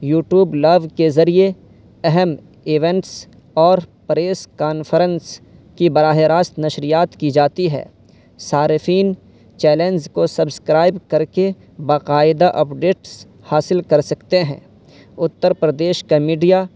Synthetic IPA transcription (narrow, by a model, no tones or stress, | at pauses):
juːʈjuːblɐʋkezɐɾie | ɛɦɛm | ɪʋɛ̃ɳʈs | ɔːɾpɾeːskaːnfəɾə̃ns | kibɐɾaːɦeɾaːst̪nɐʃɾijaːt̪kid͡ʒaːt̪iɦɛ̰ː | saːɾɪfiːn | t͡ʃɛːlẽːnzkosɐbskɾaːɪbkɐɾke | baːqaːɪd̪aʔɐpɖeːʈs | haːsɪlkɐɾsɐkt̪eɦɛ̰̃ː | ʊt̪ːəɾpɾɐd̪eːʃkamiːɖija